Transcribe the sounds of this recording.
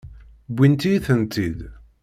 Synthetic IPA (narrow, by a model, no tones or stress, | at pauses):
bʷːint̪ijθənt̪id̪